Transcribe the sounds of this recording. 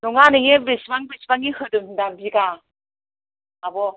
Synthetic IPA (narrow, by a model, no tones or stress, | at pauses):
nuŋanɯjebisbaŋbisbaŋihɯdɯmdabika | abɔ